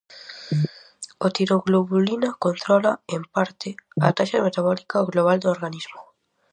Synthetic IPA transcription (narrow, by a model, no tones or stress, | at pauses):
ot̪iɾoɣloβulinakont̪ɾɔlaempaɾt̪ɪɐ̰t̪aʃɐmet̪aβɔlikaoɣloβ̞ald̪ooɾɣaniz̥mʊ